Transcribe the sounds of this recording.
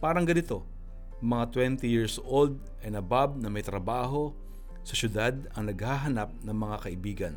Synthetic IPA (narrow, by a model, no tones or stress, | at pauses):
paːɾɐŋɡɐnɪt̪o̞ | mɐŋat̪wɛnt̪ɪjiɹsʔold̪̚ʔɐjnɐbab̚nɐmɐjt̪ɾɐbaːɦo̞ | sɐʃjʊd̪ad̪̚ɐŋnɐɡ̚haɦɐnap̚nɐŋmɐŋakɐʔɪbiːɡɐn